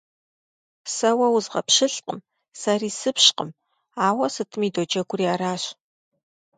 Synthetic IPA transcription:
sɐwɐwʊzʁɐ̰pɕɪɬʼqʼə̰m | sɐriːsɨpɕqə̰m | aːwɐsɨtʰɨmiːdod͡ʒɐɡʷʊriaːɾaːɕ

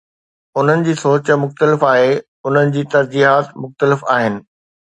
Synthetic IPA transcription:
ʊn̤ənɪ̆d͡ʑiːsoːt͡ɕmʊxt̪əlɪfaːɦe | ʊn̤ənɪ̆d͡ʑiːt̪ɐɾd͡ʑiːɦaːt̪mʊxt̪əlɪfaːɦɪnɪ̆

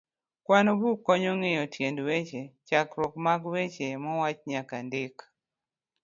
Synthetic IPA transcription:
kwanɔbukːɔɲɔŋejɔtʰjendwet͡ʃet͡ʃakɾɔkmaɡwet͡ʃemɔwat͡ʃɲakandɪk

